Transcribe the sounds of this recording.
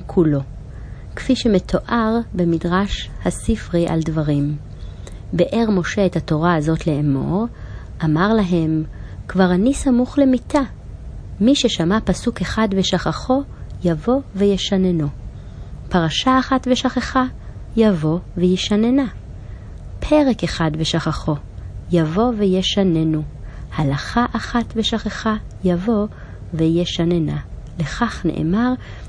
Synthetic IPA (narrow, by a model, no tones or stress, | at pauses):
kʰulo̞ | kfiʃe̞metʰo̞ʔaʁbe̞midʁaʃhasifʁiʔa̰ldvaʁim | beʔe̞ʁmo̞ʃe̞ethato̞ʁaazo̞tleemo̞̰ʁ | ʔamaʁlaɦe̞mkvaʁanisamuχle̞mita | miʃe̞ʃamapasuke̞χadve̞ʃaχaχo̞javo̞vejeʃaneno̞ | paʁaʃaːχatveʃaχeχa | javo̞vejiʃanena | pʰe̞ʁe̞keχadveʃaχaχo̞ | javo̞vejeʃanenuhalaχaʔaχatve̞ʃaχeχajavo̞ | vejeʃanenale̞χaχnḛʔḛmaʁ